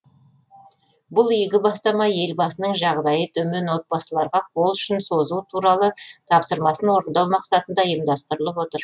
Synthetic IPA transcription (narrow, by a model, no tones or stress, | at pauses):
bʊlˠijɡʲɪbɑst̪ɑmɑje̞lbɑsənəɴʒɑʁd̪ɑjət̪ʰɵmenwo̞t̪̚bɑsəlˠɑɾʁɑqʰo̞lˠʏʃɪnso̞zut̪ʰuɾɑlˠət̪ʰɑpsəɾmɑsənwo̞ɾənd̪ɑwmɑqsɑt̪ənd̪ɑjəmd̪ɑst̪əɾəlˠəpwo̞t̪əɾ